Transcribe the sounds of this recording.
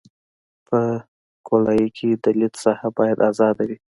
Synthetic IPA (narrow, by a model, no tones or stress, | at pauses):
pə | kolɑjikʰed̪əlit̪sahabɑjad̪ɑzɑd̪awi